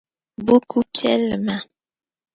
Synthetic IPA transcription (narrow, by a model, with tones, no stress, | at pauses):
bu˦kʰu˦kʰɛ̰˦lma˨